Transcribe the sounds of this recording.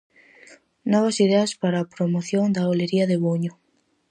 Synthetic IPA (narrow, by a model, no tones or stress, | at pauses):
nɔβ̞ɐsiðeɐspaɾaːpɾomoθjoŋd̪ɐoleɾiɐðeβoɲʊ